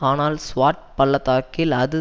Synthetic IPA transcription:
aːnaːlsʋaːʈ̚pɐɭːɐt̪aːkːɪlɐðɯ

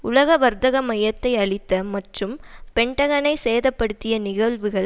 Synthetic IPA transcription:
ʊlɐɣɐʋɐɾd̪ɐɣɐmɐjɐt̪ːɐɪɐɭɪt̪ːɐmɐʈrɯmpɛɳɖɐɣɐnɐɪsejðɐpːɐɽɯt̪ːɪjɐnɪɣɐɭʋɯɣɐɭ

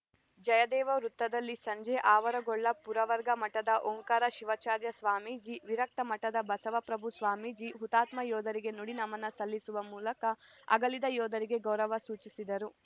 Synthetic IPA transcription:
d͡ʒɐjɐd̪ɛːʋɐɾut̪ːɐd̪ɐlːisɐɲd͡ʒeʔaːʋɐɾɐɡɔɭːɐpuɾɐʋɐɾɡɐmɐʈɐd̪ɐʔoŋkaːɾɐʃiʋɐt͡ʃaːɾjɐsʋaːmiːd͡ʒiʋiɾɐk̚t̪ɐmɐʈɐd̪ɐbɐsɐʋɐpɾɐbʱusʋaːmiːd͡ʒiɦut̪aːt̪mɐjɔːd̪ɐɾiɡe̞nuɽinɐmɐnɐsɐlːisuʋɐmuːlɐkɐɐ̰ɡɐlid̪ɐjɔːd̪ɐɾiɡe̞ɡɐwɾɐʋɐsuːt͡ʃisid̪ɐɾu

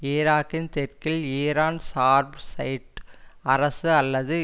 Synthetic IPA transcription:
eːɾaːkɪnt̪ɛrkɪleːɾaːnsaːɾbsɐɪʈɐɾɐsɯɐlːɐðɯ

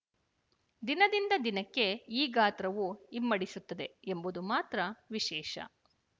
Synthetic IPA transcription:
d̪inɐd̪ind̪ɐd̪inɐkːe̞iːɡaːt̪ɾɐʋuimːɐɽisut̪ːɐd̪e̞embud̪umaːt̪ɾɐʋiʃɛːʃɐ̰

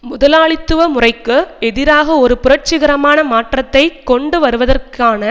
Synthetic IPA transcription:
mʊðɐlaːɭɪt̪ːɯʋɐmʊrɐɪkːɯɛðɪɾaːɣɐɔɾɯpʊɾɐʈt͡ʃɪɣɐɾɐmaːnɐmaːʈrɐt̪ːɐɪkɔɳɖɯʋɐɾɯʋɐðɐrkaːnɐ

